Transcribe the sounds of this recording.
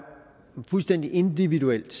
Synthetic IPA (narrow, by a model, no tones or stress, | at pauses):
fulsd̥en̰d̥iʔe̝nd̥iʋiduel̰d̥